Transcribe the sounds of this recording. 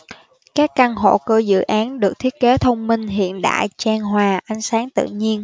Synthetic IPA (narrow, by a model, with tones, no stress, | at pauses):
kaː˦˥kːa˧nɦo̰˧˨kɨ˧˩zɨ̰˧˨ʔaː˨˦nɗɨ˨˩ək̚t̪ʰi˦˥ət̚ke˨˦t̪ʰə˧wŋ͡mmï˧ŋ̟ɦḭ˧˨ənɗa̰ː˧˨jt͡ɕaː˧ŋɦwaː˨˩ʔa˨˦jŋsaː˨˦ŋt̪ɨ̰˧˨ɲi˧ən